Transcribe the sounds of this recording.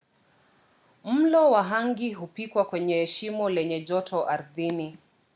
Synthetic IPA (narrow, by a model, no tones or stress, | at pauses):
m̩lɔwaɦaŋɡiɦupikwakwɛɲɛhɛʃimɔlɛɲɛʄɔtʰɔʔaɾðini